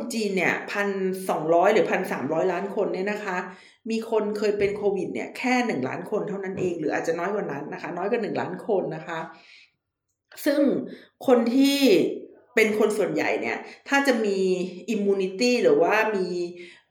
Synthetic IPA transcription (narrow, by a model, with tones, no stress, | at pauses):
t͡ɕiː˧nːi˥˩ɐpʰa˧nsɔː˩˦ŋɾɔː˦˥jɾɯː˩˦pʰa˧nsaː˩˦mɾɔː˦˥jlaː˦˥nkʰo˧nːi˥˩ɐna˦˥kʰa˦˥ | miː˧kʰo˧nkʰɤː˧jpe˧nkʰoː˧wi˨˩t̪̚nḭ˥˩ɐkʰɛː˥˩nɯ˨˩ŋla̰ː˦˥nkʰo˧nt̪ʰa˥˩wna˦˥nʔeː˧ŋɾɯː˩˦ʔa̰ː˨˩t͡ɕa˨˩nɔː˦˥jkwaː˧˩na˦˥nːa˦˥kʰa˦˥nɔː˦˥jkwaː˧˩nɯ˨˩ŋla̰ː˦˥nkʰo˧nːa˦˥kʰa˦˥ | sɯ˥˩ŋkʰo˧nt̪ʰiː˥˩ | pe˧nkʰo˧nsu˨˩ənja̰˨˩jnḭ˦˥˩ɐt̪ʰaː˥˩t͡ɕa˨˩ʔmiː˧ʔi˧mːuː˧ni˦˧˥t̪iː˥˩ɾɯː˩˦waː˥˩miː˧